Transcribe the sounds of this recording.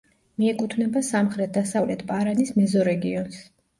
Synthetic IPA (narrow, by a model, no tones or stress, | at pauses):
miɛkʼut̪ʰvnɛbasamχɾɛt̪̚ʰd̪asavlɛt̪ʰpʼaɾanismɛzɔɾɛɡiɔns